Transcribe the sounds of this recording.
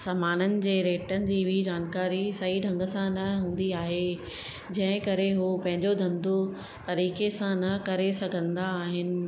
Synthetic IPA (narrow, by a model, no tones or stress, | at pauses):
saːmaːnənɪ̆d͡ʑeːɾeːʈənɪ̆d͡ʑiːʋid͡ʑaːnkaːɾisɐɦiɖʱɐ̃ŋɡəsãnɐɦũːn̆d̪iaːɦe | d͡ʑɐ̃ɦɪ̃kɐɾeɦupɐ̃ɦɪ̃ɲd͡ʑod̪ʱɐ̃nd̪o | t̪ɐɾiːkesãnɐkɐɾesɐɡʱə̃nd̪aːɦɪnɪ̆